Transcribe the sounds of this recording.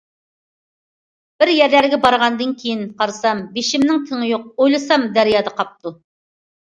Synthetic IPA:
b̥ɪɾjæɾlæɾɡʲɛbɑɾʁɑnd̪ɨnkʲʰejinqʰɑɾsɑmbeʃɪmnɪŋt̪ʰɪŋɪjoq̚ojlˠɨsɑmd̪æɾijɑːd̪ɑqɑp̚t̪u

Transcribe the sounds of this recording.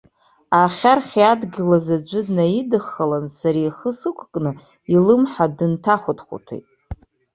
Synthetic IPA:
aχʲarχʲiadɡʲɪlazad͡ʒʷɨdnaidɨχːalansaɾaiχəsɨkʷʰkʼnɨ | ilɨmħadɨntʰaχʷʊtχʷṵtʰḛjtʼ

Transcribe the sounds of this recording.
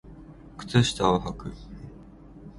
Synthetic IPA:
kɯ̥t͡s̪ɨɕi̥t̪aoɦakɯ

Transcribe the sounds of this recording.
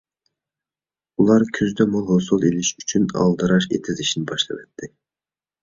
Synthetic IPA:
ulˠɑɾkʲʰyzd̪ɛmolˠɦosulˠeliʃyt͡ʃʰynɑ̰lˠd̪ɨɾɑʃḛt̪ʰɪzɪʃinɪbɑʃlˠɑ̰vɛt̪ʰːɪ

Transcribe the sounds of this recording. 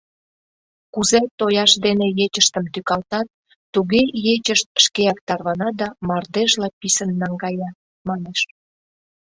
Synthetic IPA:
kuzet̪ojɑʃd̪enejet͡ɕəʃt̪əmt̪ykɑlt̪ɑt̪̚ː | uɣejet͡ɕəʃt̪̚ʃkeɑk̚t̪ɑrβɑnɑd̪ɑmɑrd̪eʒlɑpisənːɑŋɡɑjɑ | mɑneʃ

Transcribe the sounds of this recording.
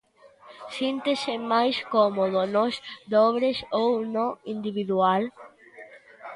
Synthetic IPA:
sint̪esɪmajskɔmoðonosd̪ɔβɾesownõind̪iβiðual

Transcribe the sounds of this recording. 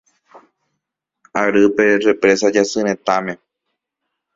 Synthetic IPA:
aɾɨpere̞pɾe̞sad͡ʒasɨɾẽt̪ãmẽ̞

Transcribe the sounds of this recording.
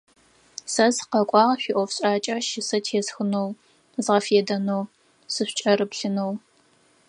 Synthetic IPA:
sɐzqɐkʷʼɑːʁɕʷiʔʷɔfɕʼaːt͡ʃʼɐʃɪsɐtʰeːsxɨnow | zʁɐfeːdɐnow | sɨɕʷt͡ʃʼɐrɨpɬɨnow

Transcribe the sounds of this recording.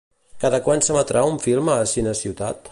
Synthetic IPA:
kaðəkwansəmat̪ɾʔauɱfilˠməːsinəsiwt̪at̪

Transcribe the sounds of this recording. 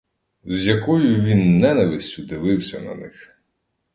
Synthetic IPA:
zʲjɐkɔjʊʋʲinːɛnɐʋɪsʲtʲʊd̪ɪʋɪwsʲɐnɐ̰nɪx

